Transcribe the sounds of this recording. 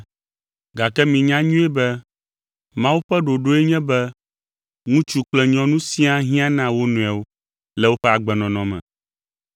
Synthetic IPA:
ɡa˨kɛ˦mĩ˨ɲã˦ɲũ˦ɛ˦bɛ˦ | mã˦wu˦ɸɛ˦ɖo˨ɖo˦e˦ɲɛ̃˦bɛ˦ | ŋũ˦t͡ʃu˦k͡plɛ˦ɲɔ̃˦nũ˦sĩ˦a˦ɦĩ˦a˦nã˦wo˦nũ˨ɛ˨wo˦ | lɛ˦wo˦ɸɛ˦a˨ɡ͡bɛ˨nɔ̃˨nɔ̃˨mɛ̰̃˨

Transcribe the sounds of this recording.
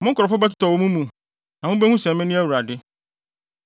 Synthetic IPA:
mʊ̃˦ŋ̩˦kʰʊ˨ɾɔ˨fʊ˦bɛ˦t̬ʰʊ̥˦tɔ˨wo˦mũ˦mũ˨ | nã˨wʊ̃˦be˦hũ˦sɛ̃˨mɪ̃˦nʊ̃˦æ˦wu˨ɾa˨dɪ˦

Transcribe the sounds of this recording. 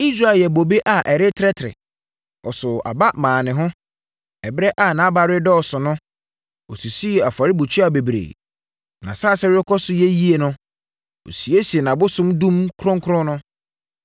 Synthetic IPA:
i˦sɾa˦˨jɛ˨bo˨be˦ʔa˨ʔɛ˨ɾɪ˦tʰɾɛ˦tʰɾɪ̰˨ | ɔ˨sʊ˨a̰˨ba˦mãː˨nɪ̃˨ɦʊ̃˦ | ɛ˨bɾɛ˦ʔa˦˨nã˨˦ba˨ɾɪ˦dɔ˦ɔ˨sʊ˨nʊ̃˦ | o̰˨su˨si˦˨a˨fa˨ɾɪ˦bu˨t͡ɕʰi˦a˨be˨bɾḛ˨ | nã˨saː˦˨sɛ˦wɪ˦ɛ˦kʰɔ˦sʊ˨jɛ˦ji˦e˨nʊ̃˦ | o̰˨si˨e˦si˨e˨nã˨bʊ˦sʊ̃˦mdũ˦mkʰɾɔ̃˦ŋkʰɾʊ̃˦nʊ̃˦

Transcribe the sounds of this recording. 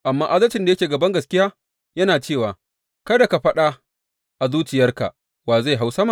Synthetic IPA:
ʔa˨mːaː˦ʔa˦zɐ˦lt͡ʃɪ˨nda˨jɐ˦kʲeː˨ɡɐ˨bɐ˦ŋɡɐ˨skʲɪ˦jaː˦ | jɐ˦naː˨t͡ʃeː˦˨waː˨ | kɐ˦da˨ka˨ɸɐ˦ɗa˦ | ʔa˨zuː˦t͡ʃɪ˨jɐ˦rka̰˨ | waː˨za˦˨jɦa˦wsɐ˦ma˨

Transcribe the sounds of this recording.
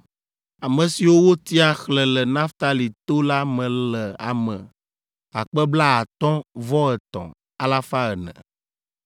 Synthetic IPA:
a˨mə̃˨si˨wo˦wo˦t̪i˦a˦xlɛ˨lɛ˨nã˦ft̪a˦li˨t̪o˦la˦mɛ̃˨lɛ˨a̰˨mə̃˨ | a̰˨k͡pɛ˦bla˦a˨t̪ɔ̃˦vɔ˦ɛ˨t̪ɔ̰̃˨ | a˦la˦fa˦ɛ˨nɛ̰̃˨

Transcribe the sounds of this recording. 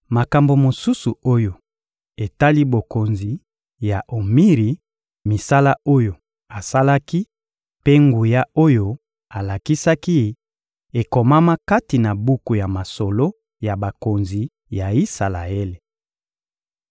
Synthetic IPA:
ma˨ka˨mbo˨mo˨su˦su˨o˦jo˨ | e˨ta˦li˦bo˨ko˨nzi˨ | ja˨ʔo˨mi˦ʁi˨ | mi˨sa˦la˦o˦jo˨ | a˨sa˦la˦ki˦ | pe˦ŋɡu˨ja˦o˦jo˦ | a˨la˨ki˦sa˦ki˦ | e˨kɔ˨ma˦ma˦ka˦ti˨na˨bu˦ku˨ja˨ma˨so˨lo˦ | ja˨ba˨ko˨nzi˨ | ja˨i˦sa˨la̰˨e˦le˨

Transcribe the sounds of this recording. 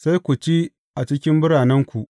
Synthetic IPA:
sa˦jkʷu˨t͡ʃi˦ | ʔa˨t͡ʃɪ˦kʲɪ˦mbʊ˦ɽaː˨nɛ˦ŋkʷu˨ʔ

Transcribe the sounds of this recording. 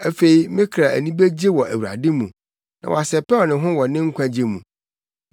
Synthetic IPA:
æ˨fe˨i˨mɪ̃˦kʰɾa˨æ̰˨nĩ˦be˦d͡ʑe˦wɔ˨ʔæ˨wu˨ɾa̰˨dɪ˦mũ˨ | nʔã̰˨wɔ̰˨a˨sɛ˨pɛ˦˨nɪ̃˨ɦʊ̃˦wɔ˨nɪ̃˦ŋ̩˦kʷʰã˦d͡ʑe˦mṵ̃˨

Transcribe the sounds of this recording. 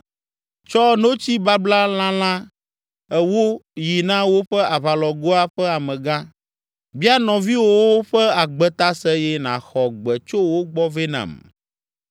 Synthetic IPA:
t͡ʃɔ˦no˦t͡ɕi˦ba˦bla˦l̃ã˦l̃ã˦ | ɛ˦wo˦ji˨nã˦wo˦ɸɛ˦a˨βa˨lɔ˨ɡo˦a˦ɸɛ˦a˨mɛ̃˨ɡã˦ | bi˦a˦nɔ̃˨vi˦wo˦wo˦ɸɛ˦a˨ɡ͡bɛ˨t̪a˦sɛ˦jɛ˦nã̰˨xɔ˨ɡ͡bɛ˨t͡ʃo˦wo˦ɡ͡bɔ˦ve˦nã̰˨m

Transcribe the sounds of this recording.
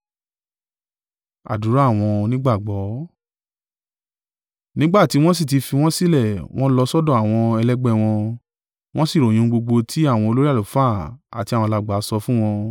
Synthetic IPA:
a̰˨du˨˦ɾa˦˨w̃ɔ̃˧nĩ˦ɡ͡ba˦˨ɡ͡bɔ˨˦ | nĩ˦ɡ͡ba˦˨ti˨˦w̃ɔ̃˦si˦˨ti˧fi˧w̃ɔ̃˦si˦lɛ˦˨w̃ɔ̃˦lɔ˧sɔ˦dɔ̃˦˨a˨w̃ɔ̃˧ɛ˧lɛ˦ɡ͡bɛ˦˧˨w̃ɔ̃˧ | w̃ɔ̃˦si˦˨ɾo˨j̃ĩ˧˦˧ɡ͡bo˧ɡ͡bo˧tʰi˦a˦˨w̃ɔ̃˧o˧lo˦ɾi˦a˦˨lo˨fa˦˨a̰˨ti˧a˨wɔ̃˧la˧ɡ͡ba˨˦sɔ˧fũ˦w̃ɔ̃˧

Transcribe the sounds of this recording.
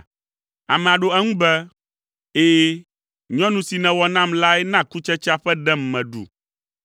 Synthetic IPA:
a̰˨mɛ̃˨a˨ɖo˨ɛ˦ŋũ˦bɛ˦ | eː˦ | ɲɔ̃˦nũ˨si˨nɛ̃˨wɔ˨nã˦˨mla˦ɛ˦nã˦˨ku˦t͡ʃɛ˦t͡ʃa˦ɸɛ˦ɖɛ˦m˨mɛ̃˨ɖṵ˨

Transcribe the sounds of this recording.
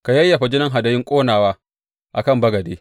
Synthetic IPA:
ka˨jɐ˦jːa˨ɸa˨d͡ʒɪ˦nɐ˦ŋɦa˨dɐ˦jɪ˦ŋkʷʼoː˦naː˨waː˦ | ʔa˨kɐ˦˨mbɐ˦ɡɐ˨deː˦

